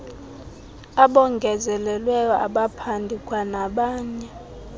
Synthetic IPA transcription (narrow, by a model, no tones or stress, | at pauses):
aɓɔŋɡʱɛzɛlɛlwɛjɔa̰ɓapʰandʱikʼwanaɓaːɲɛ